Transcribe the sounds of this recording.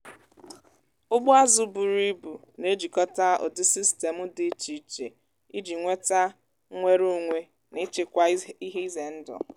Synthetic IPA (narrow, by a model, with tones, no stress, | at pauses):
ʊ˦ɡ͡bʊ˦a˦zu˨˦bu˨ɾi˦bu˨ | ne˦d͡ʒi˨kɔ˦ta˦o̰˨dɪ˦si˦ste˨mʊ˦dɪ˦t͡ʃi˨t͡ʃḛ˨ | i˦d͡ʒi˨ŋʷe˦ta˦ | ŋʷe˦ɾu˦ŋʷe˦ | nɪ˦t͡ʃe˨kʷa˦i˦ɦe˦i˦ze˨n̩˦dɔ̰˨